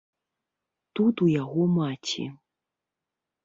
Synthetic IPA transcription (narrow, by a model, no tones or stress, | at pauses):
t̪ut̪ujaɣɔmat͡sʲḭ